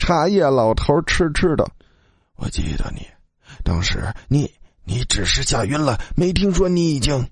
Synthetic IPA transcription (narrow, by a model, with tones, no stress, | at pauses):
ʈ͡ʂʰa˥jɛ˥˩lɑ˨˩ʊt̪ʰo˧˥ʊʈ͡ʂʰɻ̩˥ʈ͡ʂʰɻ̩˥˩d̪ə̰˨˩ | wɔ̰˨˩t͡ɕḭ˥d̪ə̰˧nḭ˨˩˦ | t̪ɑ̰˥ŋʂɻ̩̰˧˥ni˧˩˦ni˧˥ʈ͡ʂɻ̩˨˩ʂɻ̩˥˩ɕja˨˩ɥy˥nlə˨me˧˥ɪt̪ʰi˥ŋʂwɔ˥ni˧˥i˨˩t͡ɕi˥ŋ